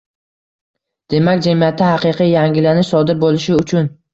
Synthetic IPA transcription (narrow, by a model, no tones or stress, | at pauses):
d̪̥e̞makʲd͡ʒamijat̪ʰːahaqɨqʰɨjjaŋɡʲɪlanɪʃsɒd̪ɪɾbolˠɪʃɪʊt͡ʃʰʊn